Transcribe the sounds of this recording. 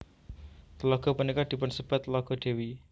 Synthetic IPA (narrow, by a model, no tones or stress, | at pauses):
t̪lɔɡɔpənikad̪̥i̤pʊnsəb̥at̪lɔɡɔɖ̥e̤wi